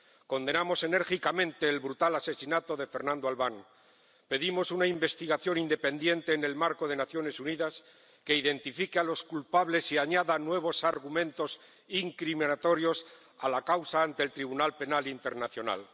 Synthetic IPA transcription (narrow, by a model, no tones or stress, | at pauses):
ko̞nd̪e̞namo̞se̞ne̞ɾxikamẽ̞nt̪e̞ːlβɾut̪alase̞sinat̪o̞ðe̞fe̞ɾnãnd̪oalβaŋ | pe̞ðimo̞sunaimbe̞st̪iɣaθjo̞nind̪e̞pe̞nd̪je̞nt̪e̞ːne̞lmaɾko̞ðe̞naθjo̞ne̞suniðas | ke̞iðe̞nt̪ifikealo̞skulpaβle̞siaɲaðanwe̞β̞o̞saɾɣ̞umẽnt̪o̞s | iŋkɾiminat̪o̞ɾjo̞s | alakawsaːnt̪e̞ːlt̪ɾiβ̞unalpe̞nalint̪e̞ɾnaθjo̞na̰l